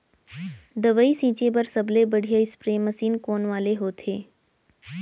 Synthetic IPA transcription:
d̪əʋəisĩːt͡ʃebɐɾsɐblebɐɽ̤ʱijaɪspɾeːməsiːnkoːnʋaːleɦoːt̪ʰeː

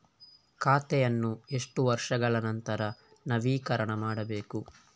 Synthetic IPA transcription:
kaːt̪ɛjɐnːue̞ʂʈuʋɐɾʂɐɡɐɭɐnɐnt̪ɐɾɐ | nɐʋiːkɐɾɐɳɐmaːɽɐbe̞ːku

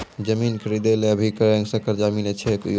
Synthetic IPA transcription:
d͡ʒəminkʰəɾid̪eleəbʱikəɾə̃ŋsə̃kəɾd͡ʒaminet͡ʃʰɛku

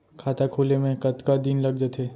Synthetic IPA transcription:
kʰaːt̪akʰuːlemẽkɐt̪kad̪inlɐɡ̚d͡ʒət̪ʰɦeː

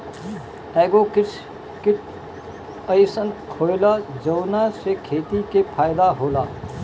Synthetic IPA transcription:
ɛːɡokɪs | kɪʈ | əɪsənkʰoːlad͡ʒəːnasekʰeːt̪ikepʰaːɪd̪aɦoːlaː

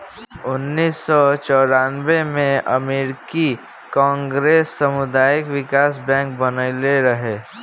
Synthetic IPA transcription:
ʊnːiːsːɔt͡ʃɔːɾaːnbemẽə̰meːɾki | kãːŋɡɾeːsːəmʊd̪aːjɪkʋɪkaːsbɛ̃ːŋk̚bənəɪleɾəɦe

